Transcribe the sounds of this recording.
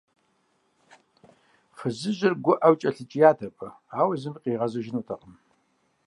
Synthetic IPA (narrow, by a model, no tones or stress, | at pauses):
χəzɨʒɪrɡʷʊʔɐwt͡ʃʼɐɬɨt͡ʃʼɪjaːtʰɐpʼɐ | aːwɐzɨmqʼiːʁɐzɐʒɪnuːtʰɐqʼəm